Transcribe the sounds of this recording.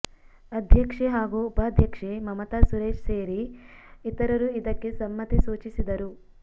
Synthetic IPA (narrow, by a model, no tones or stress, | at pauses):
ɐd̪ʱjɐkʂeɦaːɡuːpɐːd̪ʱjɐkʂemɐmɐt̪asuɾeːʃseːɾiit̪ɐɾɐɾuid̪ɐkːesɐmːɐt̪isuːt͡ʃisid̪ɐɾu